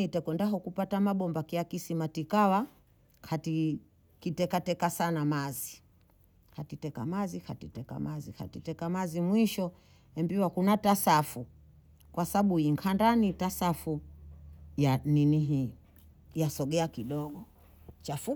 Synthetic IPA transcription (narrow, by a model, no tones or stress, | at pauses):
itɛkɛndaɦɔkupatamaɓɔmbakiakisimatikawa | kʰati | kitɛkatɛkasanamazi | katitɛka̰mazikatitɛka̰maziha̰titɛkamazimwiʃɔ | ɛmbiwakunatasafu | kwasaaɓuiŋkʰandanitasafu | janiniɦi | jasɔɡɛakiɗɔɡɔ | t͡ʃafu